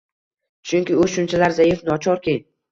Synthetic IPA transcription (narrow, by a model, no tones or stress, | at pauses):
t͡ʃʰʊŋʲkʲɪʊʃʊnt͡ʃʰalaɾzajɪfnɒt͡ʃʰɒɾkʲʰej